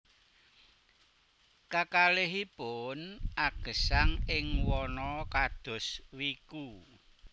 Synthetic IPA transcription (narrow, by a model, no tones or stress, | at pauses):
kakaleɦipʊnaɡ̥ə̤saŋɪŋwɔnɔkad̪̥ɔ̤swiku